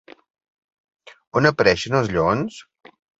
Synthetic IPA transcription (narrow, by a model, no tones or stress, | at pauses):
onəpəɾɛʃənəlˠzʎons